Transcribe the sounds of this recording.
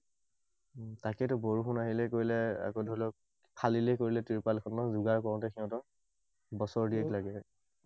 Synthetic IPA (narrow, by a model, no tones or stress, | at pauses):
takɛtʊboɹuxunaɦilɛkoɹilɛa̰kodʱɔlɔk̚ | pʰalilɛkoɹilɛtiɹpalkʰɔnɔzuɡaɹkɔɹɔ̃tɛxʰɛɔ̃tɔ | bɔsɔɹdiɛklaɡɛ